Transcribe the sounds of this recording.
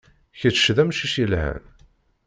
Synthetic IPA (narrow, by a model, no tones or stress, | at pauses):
çət͡sːʃðæmʃiʃiəlhæ̰n